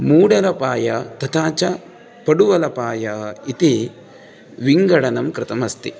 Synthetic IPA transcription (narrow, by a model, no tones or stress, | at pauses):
muːɽɐlɐpaːjɐt̪ɐt̪ʰaːt͡ʃɐ | pɐɽuʋɐlɐpaːjɐit̪i | ʋiŋɡɐɽɐnɐmkɾɪt̪ɐmɐst̪i